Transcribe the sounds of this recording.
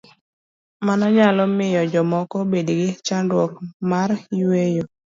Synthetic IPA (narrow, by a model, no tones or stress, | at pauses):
manaɲalɔmɪjɔd͡ʒɔmɔkɔbedɡɪt͡ʃandwɔkmaɾiwejo